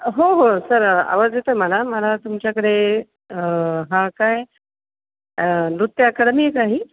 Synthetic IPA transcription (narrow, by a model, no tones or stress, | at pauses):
ɦoɦosəɾa̰ʋəd͡zet̪əm̤əlaməlat̪umt͡ɕjakəɽe | ɦãkaj | nɾut̪ːjəakəɽmiekaɦiː